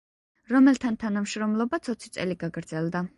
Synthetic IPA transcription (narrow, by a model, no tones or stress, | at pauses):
ɾɔmɛlˠt̪ʰant̪ʰanamʃɾɔmlˠɔbat̪sʰɔt̪sʰit̪sʼɛliɡaɡɾd̪zɛlˠd̪a